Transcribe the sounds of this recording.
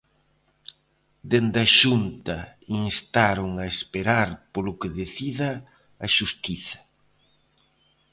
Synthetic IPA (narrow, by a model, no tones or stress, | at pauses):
d̪end̪ɐʃunt̪ɐinst̪aɾʊŋɐespeɾaɾpolʊkeðeθiðɐː | ʃust̪iθɐ̥